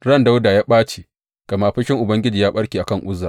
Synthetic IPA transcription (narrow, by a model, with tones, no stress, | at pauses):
ɽɐ˦nda˦wdaː˨jaː˦ɓaː˦t͡ʃe˨ | ɡ̥a˨maː˦ɸɪ˦ʃɪ˦ŋʔʊ˨bɐ˦ŋɡʲɪ˦d͡ʒiː˨jaː˦ɓɐ˦ɽkʲiː˨ʔa˨kɐ˦˨ŋʔʷʊ˦zaː˨